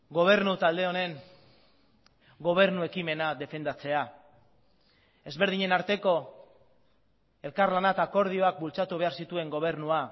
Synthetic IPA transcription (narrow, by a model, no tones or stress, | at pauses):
ɡo̞β̞e̞ɾnut̪ald̪e̞o̞ne̞ŋ | ɡo̞β̞e̞ɾnue̞kime̞nad̪e̞fe̞nd̪at͡se̞a | e̞zβe̞ɾð̞iɲe̞naɾt̪e̞ko̞ | e̞lkaɾlanat̪aːko̞ɾð̞io̞ak̚bult͡sat̪uβe̞aɾsit̪ue̞ŋɡo̞β̞e̞ɾnua